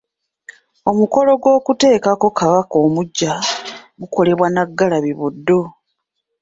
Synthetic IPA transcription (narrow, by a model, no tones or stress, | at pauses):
o̞muko̞lo̞ɡwo̞ːkute̞ːkako̞kaβako̞ːmuɟːaɡuko̞le̞βwanaɡːalaβiβudːo̞